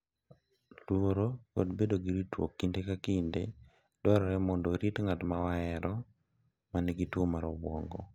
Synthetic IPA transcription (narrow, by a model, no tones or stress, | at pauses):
lwoɾoko̰dbedoɡiɾitwo̰kːindekakindḛ | dwɔɾɔɾɛmɔndoɾitŋatmawaɛɾɔ | manɛɡitwomaɾɔbwɔŋɡɔ̰